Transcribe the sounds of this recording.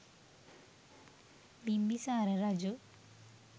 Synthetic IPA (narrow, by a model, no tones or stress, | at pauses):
bimbisaːɾɐɾad͡ʒu